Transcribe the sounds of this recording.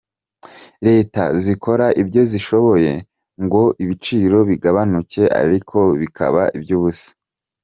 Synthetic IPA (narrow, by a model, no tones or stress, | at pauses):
ɾe̞ːta̰ziko̞ɾaʔibɟo̞ziʃo̞βo̞je̞ | ŋɡo̞ʔiβit͡ʃiːɾo̞βiɡaβanuce̞ʔa̰ɾikʰo̞βikʰa̰βaʔibjuːβusḁ